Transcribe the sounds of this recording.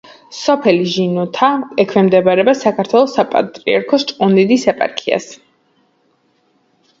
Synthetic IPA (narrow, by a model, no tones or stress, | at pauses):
sɔpʰɛliʒinɔt̪ʰaɛkʰvɛmd̪ɛbaɾɛbasakʰaɾt̪ʰwɛlˠɔsapʼa̰t̪ʼɾiaɾkʰɔst͡ʃʼqʼunid̪isɛpʼa̰ɾkʰia̰s